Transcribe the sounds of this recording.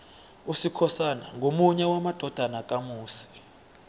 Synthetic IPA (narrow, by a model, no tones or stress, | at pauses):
usikʰɔsanaŋʱomuɲɛwamad̥ʱɔd̥ʱanakʼamuːsi̥